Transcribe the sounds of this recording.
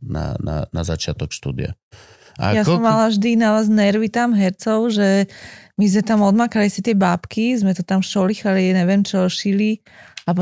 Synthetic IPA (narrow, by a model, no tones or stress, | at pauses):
na̰na̰na̰zat͡ʃɪat̪ɔkʃt̪ṵːd̪ḭa̰ | a̰jasɔmːalaʒd̪inaʋaːznɛɾʋit̪amɦɛɾt͡sɔʊʒɛmizmɛt̪amɔd̪makalisɛt̪ɪɛbapkizmɛt̪ɔt̪amfʃɔlixaliaɲɛʋjɛmt͡ʃɔʃili | apɔ